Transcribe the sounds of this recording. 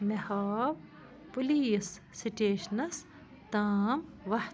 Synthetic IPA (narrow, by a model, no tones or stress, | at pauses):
mɐhaːw | puliːsː | iʈeːʃnɐs | t̪aːmʋɐh̪